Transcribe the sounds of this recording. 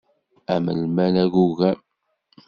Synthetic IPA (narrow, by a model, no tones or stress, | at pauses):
æmə̰lmænæʝuɣæ